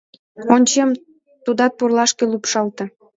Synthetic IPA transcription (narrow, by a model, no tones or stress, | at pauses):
onʲt͡ɕem | t̪ud̪ɑt̪̚porlɑʃkelupʃɑlt̪ĕ